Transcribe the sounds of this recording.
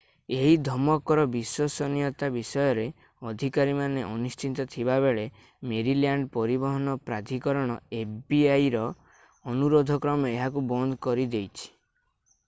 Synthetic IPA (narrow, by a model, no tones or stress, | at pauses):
eɦid̪ʱɔmɔkɔɾɔbiswɔsɔnijɔt̪abisɔjɔɾe | ɔd̪ʱikaɾimaneʔɔnist͡ʃʰint̪ɔt̪ʰiβaβeɭe | meɾiljaɳɖpɔɾibɔɦɔnɔpɾad̪ʱikɔɾɔɽ̃ɔebiajɾɔː | nuɾod̪ʱɔkɾɔmɔeɦakubɔnd̪ʱɔkɔɾid̪ejt͡ʃʰi̥